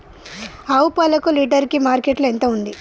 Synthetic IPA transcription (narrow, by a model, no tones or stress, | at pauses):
ɐwupɐlɐkuliːʈɐɾkimaːɾkeʈluent̪ɐund̪i